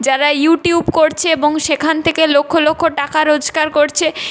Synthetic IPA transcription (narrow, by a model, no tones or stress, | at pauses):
d͡ʑaɾajuʈijubkoɾt͡ɕʰeeboŋʃekʰant̪ʰekelokʰːolokʰːoʈakaɾod͡ʑʱɡaɾkoɾt͡ɕʰe